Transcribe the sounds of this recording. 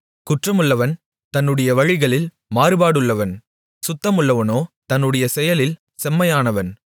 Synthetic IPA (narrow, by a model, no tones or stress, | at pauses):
kʊʈrɐmɯɭːɐʋɐn | t̪ɐnːɯɽɐjɐʋɐɻɪɣɐɭɪl | maːɾɯbaːɽɯɭːɐʋɐn | sʊt̪ːɐmɯɭːɐʋɐnoːt̪ɐnːɯɽɐjɐsɛjɐlɪl | sɛmːɐjaːnɐʋɐn